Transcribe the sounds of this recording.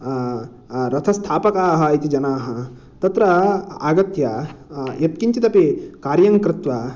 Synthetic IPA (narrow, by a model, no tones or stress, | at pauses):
ɾɐt̪ʰɐst̪ʰaːpɐkaːɦɐ̆it̪id͡ʒɐnaːɦɐ̆ | t̪ɐt̪ɾɐaːɡɐt̪jajep̚kiɲt͡ʃit̪ɐpikaːɾjɐŋkɾɪt̪ʋa